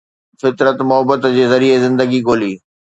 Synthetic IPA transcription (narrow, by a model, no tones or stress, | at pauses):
fɪt̪ɾət̪mʊɦəbət̪d͡ʑeːzɐɾiezɪ̃nd̪əɡiɡoːliː